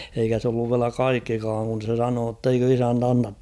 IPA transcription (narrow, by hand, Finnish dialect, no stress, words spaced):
eikæ s olːuʋ ʋiælæ kɑikːikɑːŋ kun̞ se sɑnoː tːeikø isænt ɑnːɑt